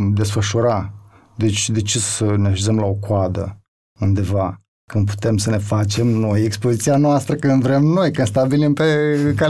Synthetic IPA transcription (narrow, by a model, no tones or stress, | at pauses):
d̪e̞sfəʃuɾa | d̪e̞t͡ʃʲd̪e̞t͡ʃesəneaʃezəmlao̞kwoad̪ə̰ | und̪e̞va | kɨnd̪̚pu̥t̪e̞msəne̞fat͡ʃe̞mno̞je̞kspozit̪sianoast̪ɾəkɨnd̪vɾe̞mno̞jkɨnst̪abilimpeka